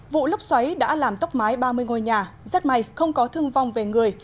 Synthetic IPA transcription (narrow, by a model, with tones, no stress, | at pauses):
vṵ˧˨lə˦˥wk͡p̚swa˨˦jɗa̰ː˧˥laː˨˩mt̪ɔ˦˥k͡p̚maː˨˦jɓaː˧mɨ˧əjŋo˧˩jɲaː˨˩za˦˥t̚ma˨˩jxə˧wŋ͡mkɔ˨˦t̪ʰɨ˧əŋva˨˩wŋ͡mve˨˩ŋɨ˨˩əj